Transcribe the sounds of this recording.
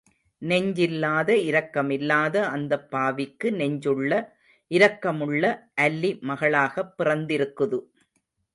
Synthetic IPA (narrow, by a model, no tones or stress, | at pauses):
nɛɲd͡ʒɪlːaːðɐɪɾɐkːɐmɪlːaːðɐʔɐnd̪ɐpːaːʋɪkːɯnɛɲd͡ʒɯɭːɐ | ʔɪɾɐkːɐmɯɭːɐʔɐlːimɐɣɐɭaːɣɐpːɪrɐnd̪ɪɾɯkːɯðɯ